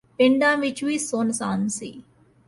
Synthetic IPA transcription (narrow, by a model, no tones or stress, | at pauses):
pɪɳɖamit͡ʃwiːsoːnsansḭ